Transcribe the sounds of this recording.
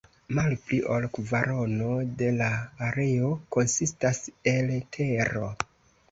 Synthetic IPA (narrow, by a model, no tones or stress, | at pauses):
malpliʔolkvaɾo̞no̞de̞laːɾe̞o̞ko̞nsistaseltʰe̞ɾo̞